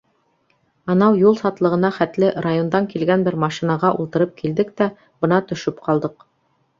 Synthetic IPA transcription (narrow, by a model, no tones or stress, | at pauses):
ɑnɑwjulˠsɑt̪lˠɤ̆ʁɤ̆nɑχæt̪lɘrajo̞nd̪ɑŋkilɡænbɘɾmɑʃinɑʁɑʔulˠt̪ɤ̆ɾɤp̚kild̪ɘkt̪æ | b̥ɤ̆nɑt̪ɵ̆ʃɵpqʰɑlˠd̪ɤq